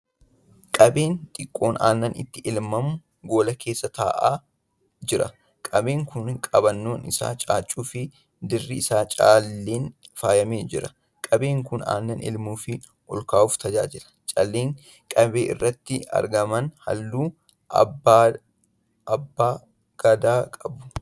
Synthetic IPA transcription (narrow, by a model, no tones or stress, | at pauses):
kʼɐbe̞ːnt̪ʼɪkʼːo̞ːna̰ːnːɐnɪ̰t̪ːɪʔɪlmɐmʊ | ɡo̞ːlɐkʰe̞ːsːɐt̪aːʔaː | d͡ʒɪɾɐ̰ | kʼɐbe̞ːŋkʊnkʼɐbɐnːo̞ːnɪsa̰ːt͡ʃʼaːt͡ʃʼːuːfɪ | d̪ɪrːɪɪsaːt͡ʃʼaːlːeːnfaːjɐmeːd͡ʒɪɾɐ | kʼɐbe̞ːŋkʊna̰ːnːɐnɪ̰lmuːfɪ | ʔɔlkaːʊft̪ɐd͡ʒaːd͡ʒɪɾɐ̥t͡ʃʼa̰lːeːŋ | kʼɐbe̞ːʔɪ̰rːɐt̪ːɪɐ̰ɾɡɐmɐnhɐ̰lːuː | ɐ̰ba | ɐbːaː | ɡ̥ɐd̪aːkʼɐbʊ̥